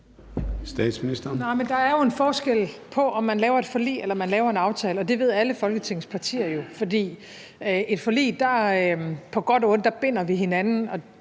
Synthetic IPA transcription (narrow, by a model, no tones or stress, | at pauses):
sd̥ɛ̰ːd̥sminisd̥ɐnaɪmend̥ɑ̈æɐjo̝e̝nfɒːsɡ̥el̰pʰɒ̽ʔɒ̽mːænlɛːʊɐe̝d̥fɒ̽lḭːelɐmænlɛːʊɐe̝nɑ̈ʊt͡sʰɛːləɒ̽d̥e̝ʋe̝ð̞ˠæləfɒ̽lɡ̥ət͡sʰe̝ŋ̰spʰɑ̈t͡sʰḭːɐjo̝fɒ̽d̥ḭː | ʔe̝d̥fɒ̽lḭːd̥ɑ̈ | pʰɒ̽ɡ̥ɒ̽d̥ɔ̽ːnd̥ɑ̈b̥e̝n̰ɐʋiɦe̝nænn̩ɒ̽